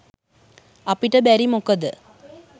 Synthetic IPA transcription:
ɐpiʈəbæɾimukɐd̪ɨ

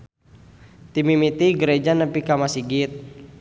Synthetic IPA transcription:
t̪imimit̪iɡəɾed͡ʒanəpikamasiɡit̪̚

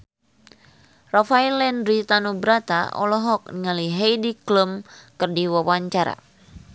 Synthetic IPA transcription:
rafailɛndɾit̪anubɾat̪a̰ʔɔ̰lɔɦɔk̚niŋaliɦejdikləmkɨrdiwawaɲt͡ʃaɾa̰

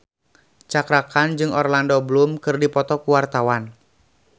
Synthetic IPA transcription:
t͡ʃakɾakand͡ʒɨŋɔrlandɔblumkɨrdipɔt̪ɔkuwart̪awan

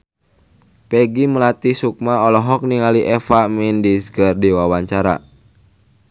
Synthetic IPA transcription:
pɛɡiməlat̪isuk̚maɔlɔɦɔk̚niŋaliʔɛfamindisɡərdiwawaɲt͡ʃaɾa̰

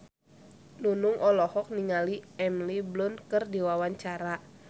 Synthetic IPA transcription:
nunuŋʔɔlɔhɔk̚niŋaliɛmliblunkɨrdiwawaɲt͡ʃaɾa

